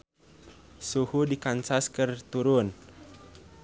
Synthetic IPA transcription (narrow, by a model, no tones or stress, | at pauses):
suhudikansaskərt̪uɾʊn